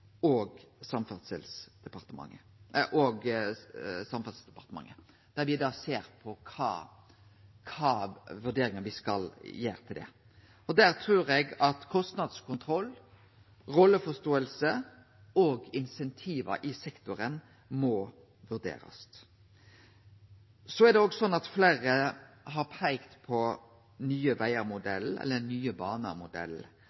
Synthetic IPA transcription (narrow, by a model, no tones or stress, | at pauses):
ɔɡsɑmfɑsəlsd̪̥ɛpɑʁt̪əmɑ̰ŋːə | ʔɔɡ | sɑmfɑt̪sd̪ɛpɑʁt̪əmɑ̰ŋːə | d̪̥æʁʋɪd̪ɑseːɾpʰɔkʰɑ̰ː | kʰɑːʋʉʁd̪eːɾɪŋənʋɪskɑljeːɾt̪ʰɪld̪ɛ̰ | ɔd̪æʁt̪ʰʁʉːɾɛɡɑt̪kʰɔst̪nɑd̪skʰʊnt̪ʰʁɔlː | ʁɔlːəfɔst̪oːəlsə | ɔɡɪnsɛnt̪ʰiːʋə̰ʔɪsɛkt̪ʊɾən | mɔ | ʋʉʁd̪ḛːɾɑ̰st̪ | sɔæɾd̪ɛɔːɡsɔnːɑt̪fleːɾə | ɦɑɾpʰæɪkt̪pʰɔ | nyːəʋæɪəɾmʊd̪ɛ̰lɛ̰lːənyːəbɑːnə̰mʊd̪ɛ̰lː